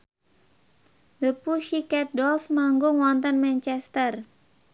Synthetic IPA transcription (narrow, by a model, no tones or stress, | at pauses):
ləpuʃikɛt̪̚dɔlsmaŋɡʊŋwɔnt̪ənmɛnt͡ʃɛst̪ər